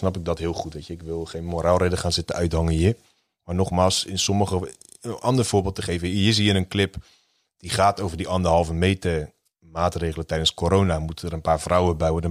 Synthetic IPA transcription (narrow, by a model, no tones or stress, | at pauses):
snɑpɪɡ̚dɔtɦɪəlˠχutʋetjəɪkʋɪlˠχeːnmoɾalˠredəχaːnzɪtəœɥthɔŋəji | manɔχmaːlˠsɪnsoməχə | ənʔɑndərfoːbɪːlˠtəχeːvəəjɪs̬iːənənklɪp | d̥iχaːtoːvərdiʔɑndərɦɑlˠvəmeːtə | maːtreːɣələntɛjdənskoɾoːnamutəəɾənpaːrfrawəbɛjədə